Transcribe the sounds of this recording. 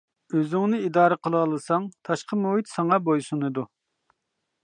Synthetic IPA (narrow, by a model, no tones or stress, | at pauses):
øzyŋnɨid̪ɑːɾəqʰəlˠlˠɨsɑŋt̪ʰɑʃqʰəmuɦit̪sɑŋɑbojsunɨd̪u